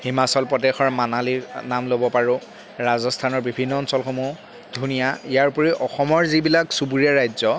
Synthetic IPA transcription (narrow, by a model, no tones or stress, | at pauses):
himasɔlpɹɔdexɔɹmanaliɹnamlobɔpaɹʊ | ɹazɔstʰanɔɹbibʱinːɔːnsɔlxomu | dʱunijaijaɹpɔɹiʔɔxɔmɔɹzibilaksubuɹijaɹajzɔ